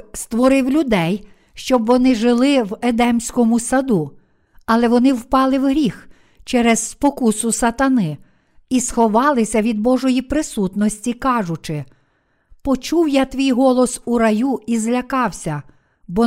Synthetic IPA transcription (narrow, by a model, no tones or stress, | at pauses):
st̪ʋɔɾɪwlʲʊd̪ɛj | ʃt͡ʃɔbʋɔnɪʒɪlˠɪwed̪ɛmsʲkɔmʊsɐd̪u | ɐlˠɛʋɔnɪwpɑlˠɪwɦɾʲix | t͡ʃɛɾɛzːpɔkusʊsɐt̪ɐnɪ | isxɔʋɑlˠɪsʲɐʋʲid̪̚bɔʒɔjipɾɪsut̪nɔsʲtʲikɑʒʊt͡ʃɪ | pɔt͡ʃuwjat̪ʋʲijɦɔlˠɔsuɾɐjuizlʲɐkɑwsʲɐ | bɔ